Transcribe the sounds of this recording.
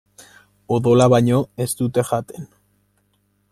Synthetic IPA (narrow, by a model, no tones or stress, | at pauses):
oðo̞laβaɲo̞e̞st̪ut̪e̞ʝat̪e̞n